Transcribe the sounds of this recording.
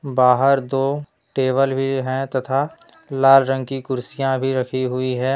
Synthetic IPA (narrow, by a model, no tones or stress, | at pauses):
baːɦəɾd̪oː | ʈeːʋəlbʱiɦɛ̃t̪ɐt̪ʰa | laːlɾə̃ŋɡkikʊɾsijãbʱiɾɐkʰiɦʊiɦɛː